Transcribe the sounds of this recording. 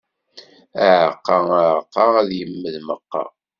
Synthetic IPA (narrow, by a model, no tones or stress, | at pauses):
əʕəqːɑaʕəqːɑæðjəmːəðməqːɑ̰